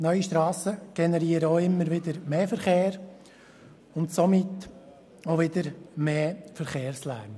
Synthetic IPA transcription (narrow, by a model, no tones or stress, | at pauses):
nœʏiʃtɾɑːsəɡ̥ɛnɛɾiːəɾəoɪmːəɾʋɪd̪əɾmeːfəɾχeːɾ | ʊntsomɪt | oʋɪdəɾmeːfəɾχeːɾslæ̰ːɾn